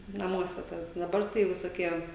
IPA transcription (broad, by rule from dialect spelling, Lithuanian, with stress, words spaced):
nɐˈmuɔsʲɛ ˈtɑːdɐ dɐˈbɐr tɐɪ ʋʲɪsoːˈkʲiɛ